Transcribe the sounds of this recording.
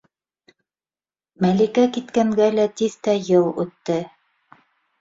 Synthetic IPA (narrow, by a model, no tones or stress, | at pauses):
mælikækit̪kæŋɡælæt̪iðt̪æjɤlˠʉ̰t̪ːɘ